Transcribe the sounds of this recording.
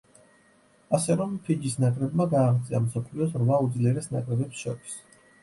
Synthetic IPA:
asɛɾɔmp̪ʰid͡ʒisnakʼɾɛbmaɡaːχt̪sʼiamsɔpʰliɔsɾvaud̪zliɛɾɛsnakʼɾɛbɛpsʃɔ̰ɾis

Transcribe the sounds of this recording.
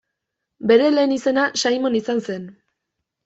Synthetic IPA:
be̞ɾe̞le̞ːnise̞naʃajmo̞nisanse̞n

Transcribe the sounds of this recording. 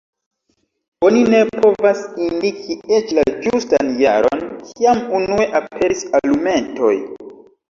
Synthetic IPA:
o̞nine̞pʰo̞vasindikʰie̞t͡ʃlad͡ʒustanja̰ɾo̰nkʰiamunue̞ʔapʰe̞ɾisalume̞nto̞̰j

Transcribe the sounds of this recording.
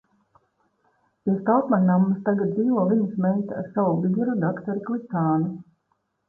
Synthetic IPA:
piɛst̪alpmannamːɨst̪aɡat̪̚b̪iːvɔlˠinismɛːt̪ʲa̰ɾsaʋuviɡ̪uɾud̪akt̪ɔɾiklˠit̪aːnu

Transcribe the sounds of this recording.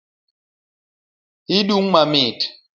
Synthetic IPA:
iɗuŋmamit

